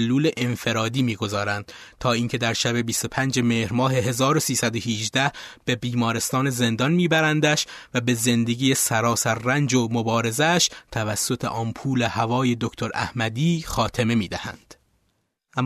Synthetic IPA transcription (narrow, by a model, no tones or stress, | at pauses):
lːuːle̞ʔenfe̞ɾɒːd̪iːmiːɡo̞zɒːɾænd̪̥t̪ʰɒːiːŋcʰe̞d̪æɾʃæbe̞bist̪o̞pʰænd͡ʒe̞meːhɾmɒːɦe̞ɦezɒːɾo̞siːsæd̪o̞hiʒd̪æhb̥e̞biːmɒːɾe̞st̪ɒːne̞ze̞nd̪ɒnmiːbæɾænd̪æʃvæbe̞ze̞nd̪eɡiːjesæɾɒːsæɾːænd͡ʒomobɒːɾe̞zæʃt̪ʰævæsːo̞t̪ʰḛʔɒːnpʰuːle̞hævɒːje̞d̪okt̪ʰo̞ɾæ̰hmæd̪iːxɒːt̪ʰe̞me̞miːd̪æhæ̰nd̪̥ | ʔæm